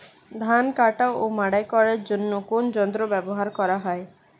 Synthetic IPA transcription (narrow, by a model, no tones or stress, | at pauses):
d̪ʱankaʈaomaɽajkɔɾeɾd͡ʒonːokond͡ʒɔnd̪ɾɔbɛbɔɦaɾkɔɾaɦɔe